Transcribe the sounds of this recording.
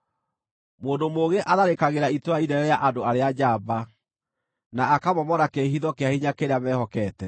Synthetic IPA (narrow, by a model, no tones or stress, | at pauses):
moːndomoɣeʔaðaɾekaɣeɾaitwainɛɾɛɾejaʔadoaɾead͡ʑaːba | naːkamɔmɔɾakeɦiðɔkeahiɲakeɾeamɛhɔkɛːtɛ